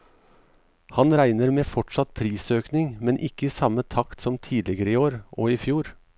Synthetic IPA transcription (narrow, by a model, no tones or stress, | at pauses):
hɑnɾæɪnəɾmeːfɔʈʂɑt̪̚pʰɾiːsøːknɪŋmɛnʔɪkːəiːsɑmət̪ʰɑkt̪sɔmt̪ʰiːd̪lɪɡəɾəiːoːɾʔoːiːfjuːɾ